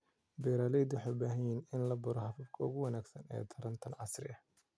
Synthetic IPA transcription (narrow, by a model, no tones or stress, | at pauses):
bɛːɾaːlɛjd̪wɑħɑjbaːɦɐjiːnɪnlɐbʊɾɔħɑfiːbkʰɐʊɣʊwɐnaːɡsɐnɛ̰ːt̪ʰɐɾɐnt̪ʰɐnʕɑsrɪ̰ʔɐ